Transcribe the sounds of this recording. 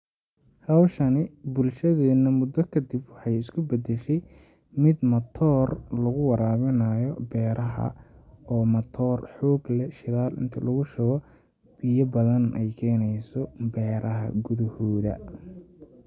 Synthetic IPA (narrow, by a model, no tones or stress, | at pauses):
hɐwʃɐnɪbʊlʃɐðɛːnɐmʊd̪ɔkʰɐd̪ɪbwɑħɑjɪskʰʊbɐd̪ɛʃɛj | mɪd̪mɐt̪ʰɔːrlɐɣʊwɑɾaːβɪnaːjɔbɛːɾɐɦɐ̰ɔːmɐt̪ʰɔːrħɔːɡlɛʃɪðaːlʔɪ̰nt̪ʰɐlɐɣʊʃɐɣɔ | b̥ijɐbɐðɐnʔɛjkʰɛːnɛjsɔbɛːɾʔɐɦɐ̰ɡʊðɐhɔːðɐ̰